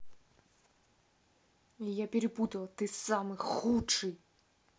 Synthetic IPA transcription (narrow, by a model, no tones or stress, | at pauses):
ijapʲeɾɪbut̪ɐlˠɐt̪ɨsamɨxut͡ʂɨj